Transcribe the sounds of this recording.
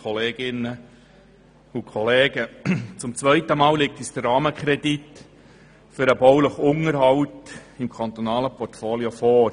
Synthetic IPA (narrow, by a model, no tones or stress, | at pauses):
χɔleːɡ̥ɪnːə | ʊkʰɔleːɡət͡sʊmt͡sʋœɪt̪əmɑːllɪk̚t̪isd̥̪ərɑːməkχɾɛdit̪ | fʏɾəbɔwləχʊŋəɾhɑwt̪ɪmkʰɑnt̪onɑːləpɔrtfoːliofɔːɾ